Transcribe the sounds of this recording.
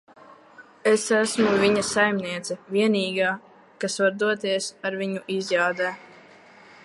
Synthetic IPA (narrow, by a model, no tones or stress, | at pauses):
esæsmuvʲiɲasajmniɛt̪sɛvʲiɛniːɡaː | kasvaɾd̪uɔt̪iɛsaɾviɲuʔizjaːd̪ɛː